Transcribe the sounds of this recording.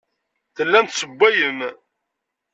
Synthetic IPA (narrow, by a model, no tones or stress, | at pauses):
θəlːænt̪səbʷːæjəm